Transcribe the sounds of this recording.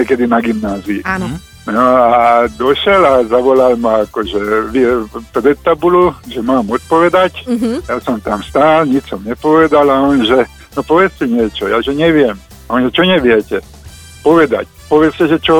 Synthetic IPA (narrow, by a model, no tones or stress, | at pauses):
ɛkɛd̪inaɡimnaːziṵ | nɔad̪ɔʃɛlazaʋɔlalmaakɔʒɛʋipɾɛt̪ːabuluʒɛmaːmɔt̪̚pɔʋɛd̪acjasɔmt̪amst̪aːlɲit͡ʃsɔmɲɛpɔʋɛd̪alaɔnʒɛ | nɔpɔʋɛt͡scɛɲɪɛt͡ʃɔjaːʒɛɲɛʋɪɛm | aɔnʒɛt͡ʃɔɲɛʋɪɛcɛ | pɔʋɛd̪a̰c | pɔʋɛt͡scɛʒɛt͡ʃɔ